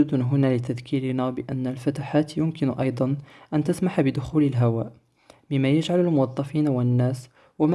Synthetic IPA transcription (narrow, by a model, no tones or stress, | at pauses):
d̪ʊnɦʊnalɪt̪ad̪kiːɾɪnæbɪʔænːalfat̪aħaːt̪jʊmkɪnʔɑjd̪ˤɑnʔænt̪asmaħabɪd̪ʊxuːləlɦawa̰ːʔ | mɪmːæjaʒʕaləlmʊwɑd̪ˤːɑfiːnawɪnːæːs | wam